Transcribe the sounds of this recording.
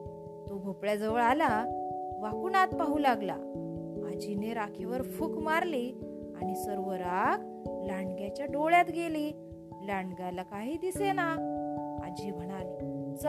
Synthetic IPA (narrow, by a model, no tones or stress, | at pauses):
t̪oɡʱopɭjad͡zəʋəɭalaʋakunat̪̚paɦulaɡla̰mad͡ʑʱineɾakʰeʋəɾfukmaɾli | aɽ̃isəɾʋəɾak | laɳɡjat͡ɕjaɖoɭjat̪ɡeliː | laɳɡjalakaɦiːd̪isena | a̰d͡ʑim̤əɽ̃alid͡z